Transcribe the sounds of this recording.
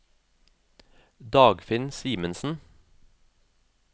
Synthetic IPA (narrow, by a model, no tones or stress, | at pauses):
d̪ɑːɡfɪnsiːmənsn̩